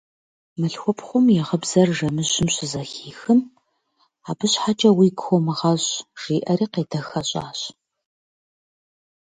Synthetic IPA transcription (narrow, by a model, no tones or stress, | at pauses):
mɨɬxʷʊpʰχʷʊmjɛʁəbz̥ɐrʒɐmɨɪmɕɪzɐxiːxɨn | aːbɨɕħat͡ʃʼɐwiːɡxʷɔmɨʁɐɕʒ̥iːʔɐɾiːqeːdɐxɐɕʼa̰ːɕ